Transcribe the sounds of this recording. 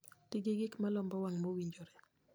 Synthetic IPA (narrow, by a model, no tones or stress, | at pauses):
tɪɡɪɡɪkmalɔmbɔwaŋmowiɲd͡ʒoɾɛ